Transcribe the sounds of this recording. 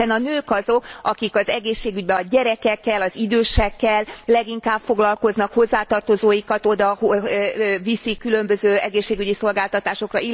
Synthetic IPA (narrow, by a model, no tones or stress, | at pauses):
ɛnɒnøːkɒzo̞kɒkikɒzɛɡeːʃːeːɡyɟ̚bɛɒɟɛɾɛkɛkːɛlɒzid̪øːʃɛkːɛlːɛɡiŋkaːbfo̞ɡlɒlko̞znɒkho̞zːaːt̪ɒrt̪ozoːjikɒt̪od̪ɒh | visikːylø̞mbøzøːɛɡeːʃːeːɡyɟiso̞lɡaːlt̪ɒt̪aːʃo̞krɒi